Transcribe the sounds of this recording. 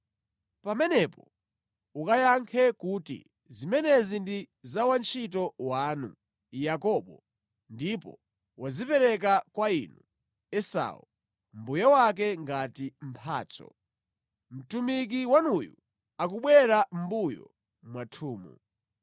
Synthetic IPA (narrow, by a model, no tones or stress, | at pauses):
pamɛnɛpɔ | ukajaŋkʰɛkutḭ | zimɛnɛzindi | zawant͡ʃʰit̬ɔwaːnṵ | jakɔɓɔ | ndipɔ̰ | wazipɛɾɛk̬akwainu | ɛsa̰u | m̩bujɔwak̬ɛŋɡatim̩pʰa̰ːt͡sɔ̰ | m̩tumik̬iwanujṵ | ak̬uɓwɛɾam̩bujɔ̰ | mwatʰuːmṵ